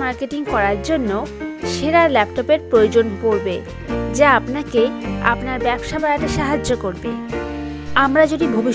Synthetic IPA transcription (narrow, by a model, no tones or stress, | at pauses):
maɾkeʈiŋkɔɾaɾd͡ʑonːoʃeɾaɾlɛp̚ʈopeɾpɾojod͡ʑonkoɾbe | d͡ʑaapnakea̰pnaɾbɛbʃabaeaʈaʃaɦad͡ʑokoɾbe | amɾad͡ʑoɖibʱobi